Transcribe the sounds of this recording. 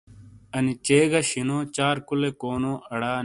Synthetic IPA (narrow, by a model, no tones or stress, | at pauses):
ɐnit͡ɕeːɡɐɕinoːt͡ɕaːɾkulekoːnoːʔɐɽaː